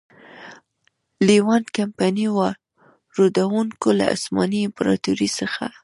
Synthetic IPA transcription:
liwɑnkampaniwa | ɾod̪awuŋkola̰ʔa̰smɑniɪmpɾɑ̰t̪uɾisəxa̰

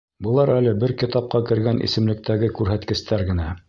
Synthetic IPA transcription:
bɤ̆lˠɑɾælɘbɘɾkit̪ɑp̚qɑkɘ̆ɾɡænʔḭsɘ̆mlɘ̆k̚t̪æɡɘkʉɾɦæt̪kɘ̆st̪æɾɡɘ̆næ

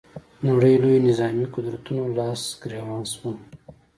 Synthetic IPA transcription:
numɽəjlojnɪzɑːmiqʊd̪ɾat̪unolɑːsɡɾawɑːnswu

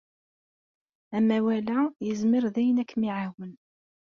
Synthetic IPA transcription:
æmæwælæjəzmɪɾðæjənækːmiʕawən

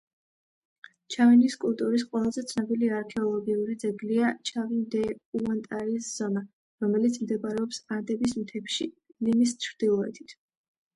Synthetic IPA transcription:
t͡ʃʰaviniskʼulˠt̪ʼuɾis̬qʼwɛlˠazɛt̪sʰnɔbiliaɾkʰɛɔlˠɔɡiuɾid̪zɛɡliat͡ʃʰavind̪ɛuant̪ʼaɾisz̥ɔna | ɾɔmɛlit̪sʰmd̪ɛbʼɾɛɔpsaɾd̪ɛbismt̪ʰɛpʃilimist͡ʃʰɾd̪̥ilˠɔɛ̰t̪ʰi̥t̪ʰ

